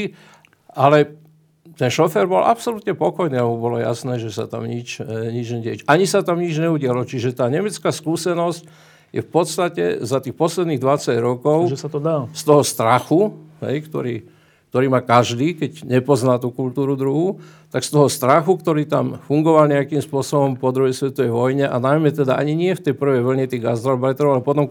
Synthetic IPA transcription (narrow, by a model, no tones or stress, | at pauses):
alɛ | t̪ɛnʃɔfɛɾbɔlʔa̰psɔlut̪ɲɛpɔkɔjniːamubɔlɔja̰snɛːʒɛsa̰t̪a̰mɲit͡ʃɲid͡ʒɲɛɟɛt͡ʃaɲisat̪amɲid͡ʒɲɛuɟɪalɔt͡ʃiʒɛt̪aːɲɛmɛt͡skaːskuːsɛnɔsc | jɛ̰fpɔt̪st̪acɛ̰zat̪iːxpɔslɛd̪niːɣd̪ʋat͡saɟɾɔkɔʊʒɛsat̪ɔd̪ast̪ɔɦɔst̪ɾaxuɦɛ̰jkt̪ɔ̰ɾiː | kt̪ɔɾiːmaːkaʒd̪iːkɛɟɲɛpɔznaːt̪uːkult̪uːɾud̪ɾuɦut̪akst̪ɔɦɔst̪ɾaxukt̪ɔɾiːt̪amfuŋɡɔʋalɲɛakimspʊɔsɔbɔmpɔd̪ɾuɦɛjsʋɛt̪ɔʋɛjʋɔjɲɛʔa̰najmɛt̪ɛd̪aʔaɲiɲɪɛft̪ɛjpr̩ʋɛjʋl̩ɲɛt̪iɣɡast̪ɾɔlbɛjt̪ɾɔʊalɛpɔt̪ɔm